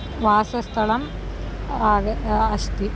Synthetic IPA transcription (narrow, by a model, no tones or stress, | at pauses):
ʋaːsɐst̪ʰɐɭɐm | aːɡɐɐʃt̪i